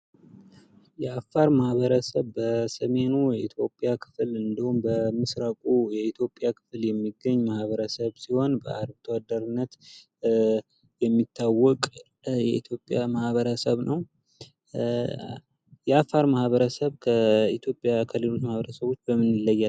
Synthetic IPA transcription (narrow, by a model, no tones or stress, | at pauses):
jɛafːaɾmahβəɾəsəβbəsəme̞nujɛit̪ʰjo̞pʼjakʰɨ̥flɨnd̪əhumbəmɨsɾakʼujɛit̪ʰjo̞pʼːjakʰɨ̥fljɛmːiɡːəɲːmahβəɾəsəβsiho̞nbəʔaɾbt̪ʰəwad̪əɾɨnːət̪ | jɛmːit̪ʰːawːɔkʼ | jɛ̰it̪ʰjo̞pʼːjamahβəɾəsəβnəw | jɛafːaɾmahβəɾəsəβkʰəit̪ʰjo̞pʼjakʰəlelot̪mahβəɾəsəβo̞t͡ʃːbəmɨnɪlːəjːa